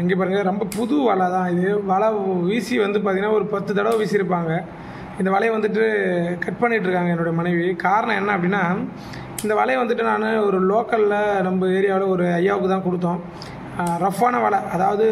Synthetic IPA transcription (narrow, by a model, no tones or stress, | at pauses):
ɛŋɡeːp̬aːɾɯŋɡɐɾɛmbɐpʊðuʋɐɭaːt̪ãːɪðɯʋɐɭɐʋiːsiʋɐnd̪ɯp̬aːt̪ɪŋɡɐnːaːɔɾɯpɐt̪ːɯt̪ɐɽɐʋʋiːsiɪɾɯpːaːŋɡɐ | ɪnd̪ɐʋɐɭɐjʋɐnd̪ɯʈ̬ːɯkɐʈ̚pɐɳːɪʈːɾɯkːaːŋɡɐɛnːɯɽɐjɐmɐnɐɪʋikaːɾɐɳɐ̃ɛnːɐɐpːɐɽɪnːaː | ɪnd̪ɐʋɐlɐjʋɐnd̪ɯʈːɯnaːnɯɔɾɯloːkɐllɐnɐmbɐeːɾɪjaːʋɐlɐɔɾɯɐjːaːʋɯkːɯt̪ãːkɔɽɯt̪̬ːõː | ɾɐfːaːnɐʋɐɭɐʔɐðaːʋɐðɯ